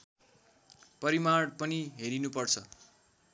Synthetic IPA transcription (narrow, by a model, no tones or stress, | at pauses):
pʌɾimaɽpʌniɦeɾinupʌrt͡sʰʌ